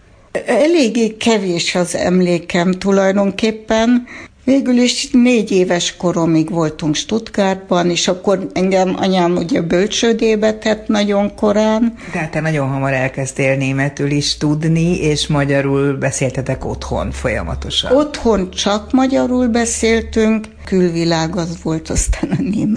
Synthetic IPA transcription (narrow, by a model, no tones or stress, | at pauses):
ɛleːɡeːkɛveːʃɒzɛ̰mleːkɛmt̪ulɒjd̪o̞ŋkeːpːɛnveːɡyliʃneːɟeːvɛʃko̞ɾo̞miɡʋo̞lt̪uŋkʃt̪ut̪ɡaːrbɒneːʃɒkːo̞rɛŋɡɛmɒ̰ɲaːmuɟɛbølt͡ʃøːd̪eːbɛt̪ɛt̪nɒɟo̞ŋko̞ɾaːnd̪ɛɦat̪ːɛːnɒɟo̞nɦɒmɒɾɛlkɛst̪eːlneːmɛt̪yliʃt̪ud̪nieːʃmɒɟɒɾuːlbɛseːlt̪ɛt̪ɛko̞̰t̪ho̞̰nfo̞jɒ̰mɒ̰t̪o̞ʃɒ̰o̞t̪ho̞nt͡ʃɒkmɒɟɒɾuːlbɛseːlt̪yŋk | kylʋilaːɡɒzʋo̞lt̪ɒst̪aːnɛnːeːm